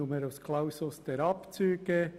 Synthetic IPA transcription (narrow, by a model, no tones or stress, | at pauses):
uməɾaskʰlawsʊsd̪̥ɛɾɑpt͡syːɡə